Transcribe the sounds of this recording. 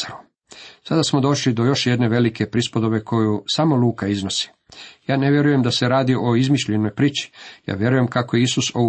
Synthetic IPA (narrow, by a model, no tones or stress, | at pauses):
ɾu | sad̪asmo̞d̪o̞ʃlid̪o̞jo̞ʃje̞d̪ne̞ʋe̞like̞pɾispod̪o̞βe̞kʰo̞jusamo̞luːkaizno̞si̥ | jaːne̞ʋje̞ɾuje̞md̪ase̞ɾaːd̪iʔo̞izmiʃʎe̞no̞jpɾiːt͡ɕi̥ja̰ːʋje̞ɾuje̞mkako̞jeisuso